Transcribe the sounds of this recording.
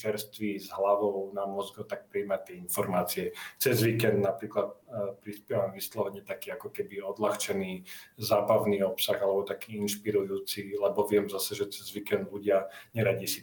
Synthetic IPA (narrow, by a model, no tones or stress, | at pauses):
t͡ʃɛɾst̪ʋizɦlaʋɔʊnamɔzɡɔt̪ak̚pɾiiːmat̪ɪɛinfɔɾmaːt͡siɛt͡sɛzʋikɛnd̪napɾiːklat̪̚pɾispɪɛʋamʋislɔʋɛɲɛt̪akiːakɔkɛbiɔd̪laxt͡ʃɛniːzaːbaʊniːɔpsaɣalɛbɔt̪akiːinʃpiɾujuːt͡silɛbɔʋɪɛmzasɛʒɛt͡sɛzʋikɛnd̪luɟɪaɲɛɾaɟiːsi